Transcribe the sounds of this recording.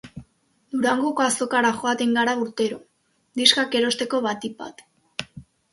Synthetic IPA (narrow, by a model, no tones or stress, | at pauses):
d̪uɾaŋɡo̞koaso̞kaɾaʝo̞at̪eŋɡaɾauɾt̪e̞ɾo | d̪iskake̞ɾo̞st̪e̞ko̞βat̪ipa̰t̪